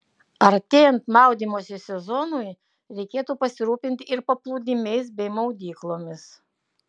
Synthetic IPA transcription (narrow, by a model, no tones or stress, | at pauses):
ɐɾt̪ʲeːjɛnt̪mɑˑʊd̪ʲiːmoːsʲɪsʲɛzɔnoɪ | ɾʲɛɪkʲeːt̪uːpɐsʲɪɾuːpʲɪnʲt̪ʲɪɾpɐplˠuːd̪ʲɪmʲɛɪsbʲɛɪmɐʊd̪ʲiːklˠoːmʲɪs